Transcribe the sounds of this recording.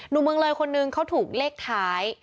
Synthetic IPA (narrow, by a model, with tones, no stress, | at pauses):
nuː˨˩mɯ˧əŋlɤː˧jkʰo˧nːɯ˧ŋkʰa˦˥wt̪ʰuː˨˩k̚leː˥˩k̚t̪ʰaː˦˥j